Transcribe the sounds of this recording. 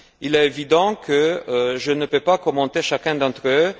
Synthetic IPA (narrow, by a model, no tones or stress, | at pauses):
ilɛevid̪ɑ̃kəʒənəpøpakɔmɑ̃t̪eʃakɛ̃d̪ɑ̃t̪χø